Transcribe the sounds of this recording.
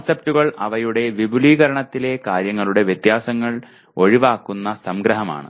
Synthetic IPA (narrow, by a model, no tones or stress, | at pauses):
sɐp̚tuɣɐɭɐʋɐjuɽe̞ʋibʱuliːɣɐɾɐɳɐt̪ːile̞kaːɾjɐŋːɐɭuɽe̞ʋjet̪jaːsɐŋːɐɭ | o̞ɻiʋaːkːunːɐsɐmɡɾɐɦɐma̰ːɳɨ̰